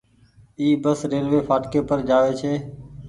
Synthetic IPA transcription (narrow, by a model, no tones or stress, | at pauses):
iːbəsɾeːlʋeːpʰaːʈkeːpəɾd͡ʒaːʋeːt͡ʃʰeː